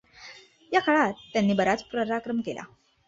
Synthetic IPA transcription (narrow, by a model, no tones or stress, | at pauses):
jakʰaɭatːjanːiːbəɾat͡spɾəɾakɾəmkela̰